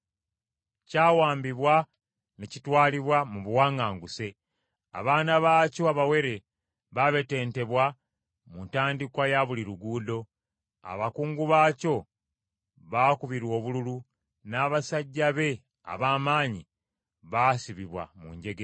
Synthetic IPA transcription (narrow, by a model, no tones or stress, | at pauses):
caːwaːmbiβwa | necitwaːliβwamuβuwaːŋaːŋɡuse̞ | a̰βaːnaβaːco̞aβawe̞ɾe̞ | βaβe̞te̞ːnte̞βwa | muntaːndikwajaβuliɾuɡuːdo̞ | a̰βakuːŋɡuβaːco̞ | βaːkuβiɾwo̞ːβululu | naːβasaɟːaβe̞ | a̰βaːmaːɲi | βasiβiβwa̰mṵɲɟe̞ɡe